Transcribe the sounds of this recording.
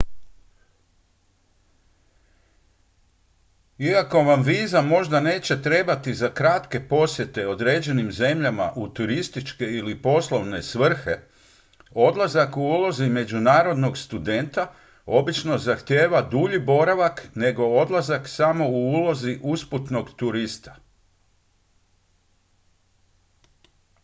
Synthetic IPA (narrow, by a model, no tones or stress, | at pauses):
iako̞ʋamʋiːzamo̞ʒd̪ane̞ːt͡ɕe̞t̪ɾe̞ːbat̪izakɾat̪ke̞po̞sje̞t̪e̞o̞d̪ɾeːd͡ʑe̞nimze̞mʎama̰ʔut̪uɾist̪it͡ʃke̞ilipo̞slˠo̞ʋne̞sʋr̩xe̞ | o̞d̪lazakuuːlo̞zime̞d͡ʑunaːɾo̞d̪no̞ɡst̪ud̪e̞nt̪a | o̞bit͡ʃno̞zaxt̪je̞ːʋad̪uʎibo̞ɾaʋakne̞ɡo̞o̞d̪lˠazaksamo̞uulo̞ziʔusput̪no̞ɡt̪uɾist̪ḁ